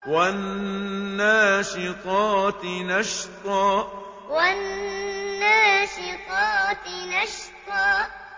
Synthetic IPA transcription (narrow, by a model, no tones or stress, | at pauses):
wannː | aːʃɪqɑːt̪ɪnaʃt̪ˤɑː | wanː | aːʃɪqɑːt̪ɪnaʃt̪ˤɑː